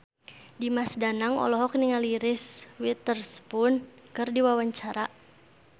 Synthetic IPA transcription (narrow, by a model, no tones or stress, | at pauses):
dimasdanaŋɔ̰lɔɦɔk̚niŋaliɾɪswit̪ərspʊnkɨrdiwawaɲt͡ʃaɾa